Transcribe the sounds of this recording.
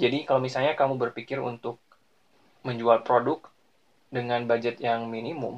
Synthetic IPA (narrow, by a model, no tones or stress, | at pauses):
d͡ʒadikalomisalɲakamubərpikɪrṵnt̪ʊk̚ | məɲd͡ʒualpɾodʊk̚ | dəŋanbad͡ʒət̪jaŋminimʊm